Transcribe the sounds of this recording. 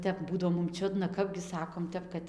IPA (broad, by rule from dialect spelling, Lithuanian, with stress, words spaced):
ˈtʲɛp ˈbuːdɐʋoː mʊm ˈt͡ʃʲʊdnɐ ˈkɑːbʲɡʲɪ ˈsɑːkoːm ˈtʲɛp kɐt